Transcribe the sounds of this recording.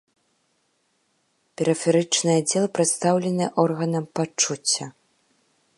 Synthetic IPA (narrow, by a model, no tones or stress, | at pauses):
pʲɛɾɨfʲɛɾɨt͡ʂnɨjad͡zʲɛlˠɐpɾɛt̪st̪awlʲɛnɨjɛʔɔrɣɐnɐmpat͡ʂːut͡sʲːɐ